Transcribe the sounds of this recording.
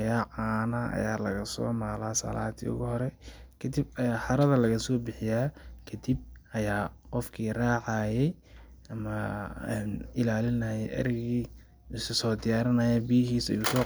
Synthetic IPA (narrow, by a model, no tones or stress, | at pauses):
jaːʕaːnaʔɐ̰jaːlɐɣɐsɔ̰ːmaːlaːsɐ̰laːd̪ḭʊ̰ɣʊhɔɾɛkʰɐd̪ibɐjaːħɑɾɐðɐlɐɣɐsɔːbɪħɪjaːkʰɐd̪ib̚ʔɐjaːqɔfkʰiːraːʕɑːjɛj | ʔɐmɐːnɪlaːlɪnɐjɛjʔɐ̰ɾɪɣiː | ʊsɐsɔːd̪ɪjaːɾɐnɐːjɛbɪjɐɦiːsɐ̰jusɔː